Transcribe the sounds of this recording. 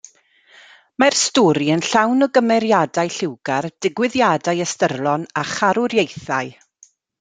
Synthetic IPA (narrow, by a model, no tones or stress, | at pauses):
marstɔɾiənɬawnɔɡəmɛɾjadajɬɪwɡard̥ɪɡwɪðjadajəstərlˠɔnaχaɾʊɾjejθaj